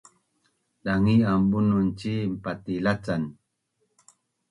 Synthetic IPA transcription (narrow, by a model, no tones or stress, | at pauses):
ɗaŋiambununt͡ʃimpatilat͡san